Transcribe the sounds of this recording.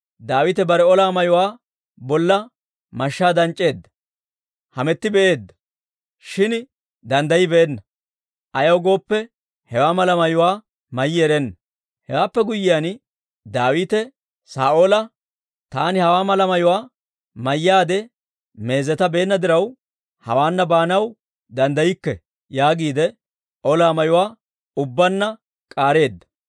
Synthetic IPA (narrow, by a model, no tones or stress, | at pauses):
d̪aːwɪt̪ɛbɐɾɛɔlaːmɐjʊwaː | bɔlːɐ | mɐʃːaːd̪ɐnt͡ʃʼːe̞ːd̪ːɐ̥ | hɐmɛt̪ːɪbɛʔeːd̪ːɐ̥ | ʃɪn | d̪ɐnd̪ɐjɪbeːnːɐ | ʔɐjɐwɡo̞ːpːɛ | hɛwaːmɐlɐmɐjʊwaː | mɐjːɪɛɾɛnːɐ | hɛwaːpːɛɡʊjːɪjan | d̪aːwiːt̪ɛ | saːʔoːlɐ | t̪aːnɪhɐwaːmɐlɐmɐjʊwaː | mɐjːaːd̪ɛ | me̞ːzɛt̪ɐbe̞ːnːɐd̪ɪɾɐw | hɐ̰waːnːɐbaːnɐw | d̪ɐnd̪ɐjɪkːɛ | jaːɡiːd̪ɛ | ʔɔlaːmɐjʊwaː | ʊbːɐnːɐ | kʼaːɾe̞ːd̪ːɐ̥